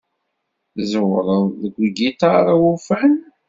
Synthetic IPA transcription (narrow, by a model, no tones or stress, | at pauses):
zəwɾˤəðˤðəɡʷiɡit̪ɑɾˤawufæn